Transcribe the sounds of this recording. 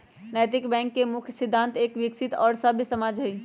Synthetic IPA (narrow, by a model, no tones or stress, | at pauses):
nɛjt̪ikbɛ̃ŋkːemukʰjsid̪ʱːant̪ekʋiksit̪ɔːɾsəbʱjsəmad͡ʒʱɦəj